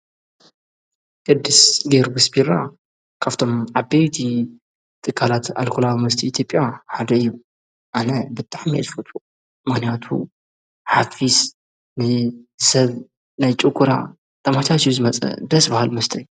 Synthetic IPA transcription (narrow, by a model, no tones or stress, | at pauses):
kʼɨd̪ːɨsɡeɾɡɨsbiɾa | kʰaft̪ʰo̞mʕabejt̪ʰi | t̪ʼɨkʰːalat̪a̰lkʰulawimɐst̪ʰiːt̪ʰjo̞pʼjaħad̪ɐɨjːu | ʔanɐbɨt̪ʼaʕmiɛ̰tfot̪ʰu | mɨxnijat̪ʰṵ | ħafis | najsɐβ | najt͡ʃʼɨkʰʼːuɾa̰ | t̪ʰɐmat͡ʃ̪ʰat͡ʃʰuzɨmɐt͡sʼɐ̰d̪ɐsbahalmɐst̪ʰɐjːu